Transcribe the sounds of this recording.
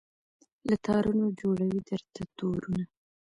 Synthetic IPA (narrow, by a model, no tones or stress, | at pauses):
lat̪ʰɑɾunod͡ʒoɽawid̪əɾt̪at̪oɾuna